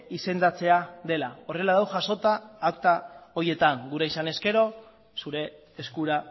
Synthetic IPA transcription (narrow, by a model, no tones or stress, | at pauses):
ise̞nd̪at͡se̞aðe̞lao̞re̞laðawʝaso̞t̪aːwkt̪ao̞je̞t̪aŋɡuɾeisane̞ske̞ɾo̞ | suɾe̞ː | skuɾa